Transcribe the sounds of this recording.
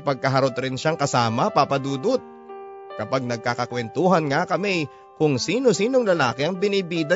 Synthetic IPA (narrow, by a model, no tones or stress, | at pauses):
pɐɡ̚kɐɦɐɾot̪ɾɪnʃaŋkɐsaːmɐpapɐd̪uːd̪ot̪̚ | kɐpaɡ̚nɐɡ̚kakɐkwɛnt̪uːɦɐnŋakɐmɛ | kʊŋsiːno̞siːno̞ŋlɐla̰ːkɪɐŋbɪnibiːd̪ɐ